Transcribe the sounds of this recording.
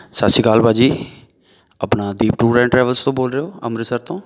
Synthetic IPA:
satsiːkaːlbaːd͡ʒiː | əpnaːd̪iːpʈuːɾɛ̃ːɳʈɾɛːʋəlst̪õːboːlɾeoːə̰mɾɪsəɾt̪õː

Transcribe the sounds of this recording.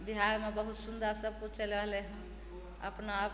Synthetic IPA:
biɦajmebəɦut̪sund̪əɾsəb̚kũt͡ʃeləɦleɦ | ə̰pnaːp

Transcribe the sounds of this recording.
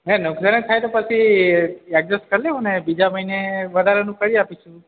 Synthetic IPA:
ɦɛnʊksənet̪ʰajt̪opət͡ʃʰi | ɛk̚d͡ʒəsʈ̚kəɾleɦũnebid͡ʒaməɦineʋəd̪ʱaɾenũkəɽiapit͡ʃʰũ

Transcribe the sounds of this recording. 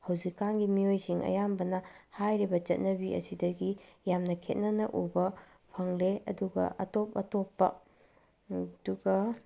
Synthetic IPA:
hɐwzikːanɡimiojsiŋɐ̰jambɐnɐhajɾibɐt͡ʃɐt̚nɐbiʔɐ̰sidɐɡijamnɐkʰḛt̚nɐnɐ̰ʔubɐ | pʰɐŋleɐ̰duɡɐ̰ʔɐtop̚ɐtopːɐ̰ | duɡɐ

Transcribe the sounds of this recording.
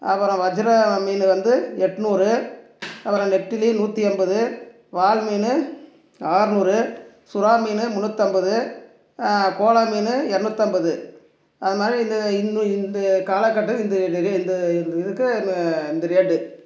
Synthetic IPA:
ɐ̰pːɐɾɐ̃ʋɐd͡ʒɐɾɐmiːnɯʋɐnd̪ɯɛʈːɯnuːɾɯ | ɐpːɐɾɐ̃nɛʈːɪlinuːt̪ːiɛmbɐðɯ | ʋaːlmiːnɯ | aːɾɯnuːɾɯ | sʊɾaːmiːnɯmʊɳːɯt̪ːɐmbɐðɯ | koːlamiːnɯɛɾɐɳɯt̪ːɐmbɐðɯ | ɐðɯmaːd̪ɾiɪnd̪ɐɪnːɪnd̪ɐkaːlɐkːɐʈːɯkːɪnd̪ɐɾɪnd̪ɐnɪðɯkːɯɪnd̪ɐɾeːɖɯ

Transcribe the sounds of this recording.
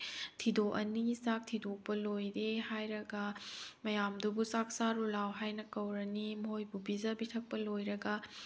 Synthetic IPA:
tʰidoʔɐnisak̚tʰidok̚pɐlojɾehajɾɐɡɐmɐjamdubusak̚saɾulawɦajnɐkɐwɾɐnimɐɦojbubizɐbitʰɐk̚pɐlojɾɐɡɐ

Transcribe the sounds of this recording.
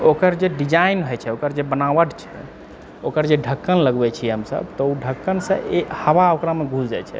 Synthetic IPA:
okəɾd͡ʒeɖid͡ʒainɦojt͡ʃʰɛokəɾd͡ʒebənabəʈt͡ʃʰɛ̥̰ | okəɾd͡ʒeɖʱəkːənləɡbɛt͡ʃʰiɦəmsə̰bt̪ɔuɖʱəkːənsə̰̃ʔehəʋaokɾameɡʱud͡ʒd͡ʒa̰t͡ʃʰɛ̰

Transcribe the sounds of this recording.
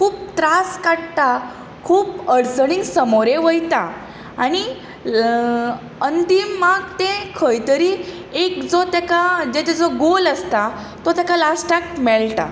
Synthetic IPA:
kʰuːp̚t̪ɾaskaɽt̪a | kʰuːpəɽsəɽ̃iŋɡsəmoɾeʋəjt̪a | aɽ̃i | ənd̪imaɡt̪ẽkʰəjt̪əɾi | ekd͡zɔt̪jakad͡ʑet̪ɛd͡zɔɡoləst̪a | t̪ɔt̪jakalasʈak̚mɛɭʈ̪a̰

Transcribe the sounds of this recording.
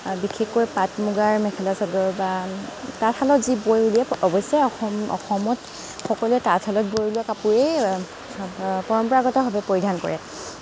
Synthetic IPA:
bixʰekːojpatmuɡaɹmɛkʰɛlasɔɡɔɹbatatʰalɔtzibojuliɛɔbɔsɛɔxɔmɔ̰xɔmɔt | xɔkɔluɛtatʰhalɔt̚bojuliɛkapuɹe | pɔɹɔmpɔɹaɡɔtɛɦɔbɛpoɹidʱankɔ̰ɹɛ

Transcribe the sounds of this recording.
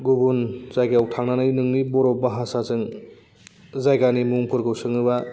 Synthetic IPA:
ɡubunzajɡaawtʰaŋnanɯjnɯŋnibɔɾɔbaɦasazɯŋ | zajɡanimuŋpʰɯɾɡɯwsɯŋɯba

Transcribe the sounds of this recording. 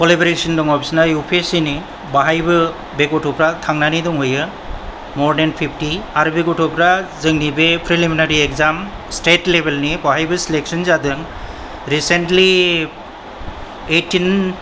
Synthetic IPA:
kɔlebɾesindɔŋɔbisnajupʰesini | baɦajbɯ | bekɔtʰɔpɾatʰaŋnanidɔŋɦɔjɯ | mɔɾdenpʰipʰtiaɾbekɔtʰɔpɾazɯŋnibepʰɾiliminaɾiekzam | stetlebelnibaɦajbɯsilek̚sɔnzadɯŋ | ɾisentli | etin

